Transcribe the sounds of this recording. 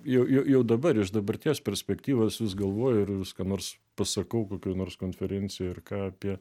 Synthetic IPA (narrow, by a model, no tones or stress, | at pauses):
jɛʊjɛʊjɛʊd̪ɐbɐɾɪʃd̪ɐbɐrʲt̪ʲiːɛspʲɛɾʲsʲpʲɛkt̪ʲiːʋoːsʋʲɪsɡɐlˠʋoːjʊɪrʋʲɪskɐnoːrs | pɐsɐkɐʊkoːkʲoːnoːrskoːnʲfʲɛɾʲɛnʲt͡sʲɪjoːɪrkɑːɐpʲiɛ